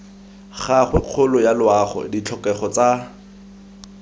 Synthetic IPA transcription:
χaχwɛq͡χʰʊlʊjalʊaχɔ̰dit͡ɬʰɔkɛχɔt͡sa

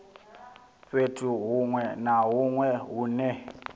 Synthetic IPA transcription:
ɸetʰʼuɦuŋwɛnaɦuŋwɛɦuːnɛ

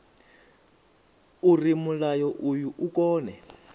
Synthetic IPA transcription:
urimulajɔʔujuʔukɔːnɛ

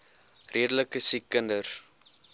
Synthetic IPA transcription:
rʔiədələkəsikːəndər

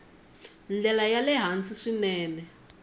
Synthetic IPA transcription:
nd͡ɮɛlajalɛɦant͡siʂinɛːnɛ

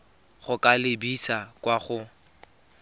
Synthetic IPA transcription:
χʊkʼalɪbisakwaχʊ

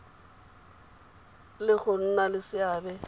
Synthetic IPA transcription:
lɪɣʊn̩nalɪsɪaːbɛ

